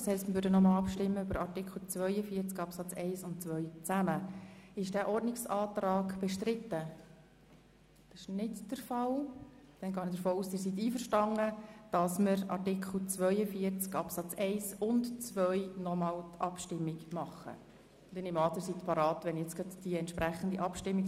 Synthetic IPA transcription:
shɛɪstməvʋøːɾdənɔmɑlɑpʃtɪmːəøbəɾɑɾtɪkʰl̩ˠt͡sʋœʏəfiːəɾt͡skɑpsɑt͡sɛɪsʊntt͡sʋœʏt͡sæməɪʃd̥æːʔɔɾdnɪksɑːt̪ɾɑːɡb̥ɛʃtɾɪt̪ːə | d̥ɪʃnɪtd̥əɾfɑl | d̪̥ɛnɡɑːnəd̥əɾfoːuːstɪɾsit̪iːfəɾʃtɑŋəd̥ɑsmɪɾɑ̰rtɪkʰl̩ˠt͡sʋœʏəfiəɾt͡skɑpsɑt͡sɛɪsʊntt͡sʋœʏnɔmɑːltʰɑpʃtɪmːɪɡmɑχːə̰̥ | ɛnɪmɑːt̪əɾsit̪pʰɑɾɑːt̪ʋɛnjɛt͡sɡ̥ɑdd̥iɛnt̪ʃpɾæχənd̪iʔɑpʃtɪmːik

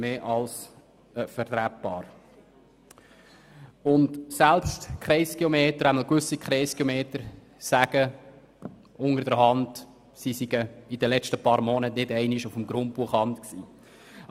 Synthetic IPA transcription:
meːʔɑls | əfəɾt̪ɾæp̚bɑːɾ | ʊntsælpstkʰχɾɛɪskiomeːtəɾæməlkʋʏsːikχɾeɪskiomeːtəɾ | sæɡ̥ə | ʊnəɾdəɾɦɑnd | sisiɡ̥əid̥əlɛt͡ʃtəpɑːɾmɔnətnɪdɛɪniʃufm̩ɡɾʊnt̚b̥uəχɑntksiː

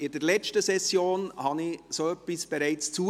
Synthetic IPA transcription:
ɪd̥əɾlɛt͡ʃtəsɛsjoːnhɑnisoœpːisb̥ɛɾæɪt͡st͡suː

